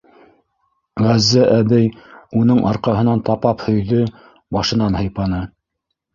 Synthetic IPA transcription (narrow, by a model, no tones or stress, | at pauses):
ʁæzːæʔæbɘjunɤɴʔɑɾqɑɦɤ̆nɑnt̪ɑpɑphɵ̆jðɵ | bɑʃɤ̆nɑnhɤ̆jpɑnɤ